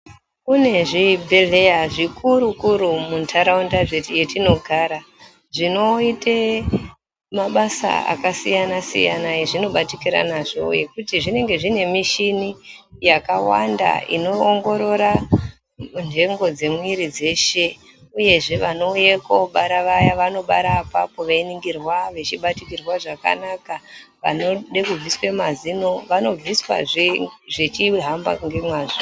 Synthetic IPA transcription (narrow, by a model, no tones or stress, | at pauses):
kune̞ʐibʱeɮejaʐikʰuɾukuɾumuntʰaɾaundaʐejetino̞ɡʱaɾa | ʐino̞ite | maɓasa̰a̰kasijanasḭja̰najeʐino̞ɓatikiɾa̰naʐo̞̰je̞kutiʐine̞ŋɡe̞ʐine̞miʃinijakawa̰nda̰ḭno̞ːŋɡo̞ɾo̞ɾa | nʐe̞ŋɡo̞d͡ze̞mwiɾid͡ze̞ʃe̞ | uje̞ʐe̞ʋano̞ujekoɓaɾaʋajaʋano̞ɓaɾapapo̞ʋainiŋɡirwaʋe̞t͡ʃiɓatikirwaʐaka̰naka | ʋa̰no̞ɗekub͡viswemazino̞ʋano̞b͡viswa̰ʐet͡ʃiɦamba̰ŋɡe̞mwaːʐo